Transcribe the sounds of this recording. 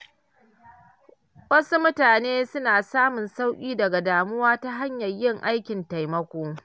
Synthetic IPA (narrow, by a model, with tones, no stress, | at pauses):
wɐ˦su˦mʊ˦taː˨neː˦sʊ˦naː˨saː˦mʊ˨nsa˦wkʲʼiː˦dɐ˨ɡa˨daː˨mʊ˦waː˦ta˦ɦa˦ɲjɐ˨rjɪ˦˨ŋʔa˦jkʲɪ˨nta˨jmɐ˦kʷoː˦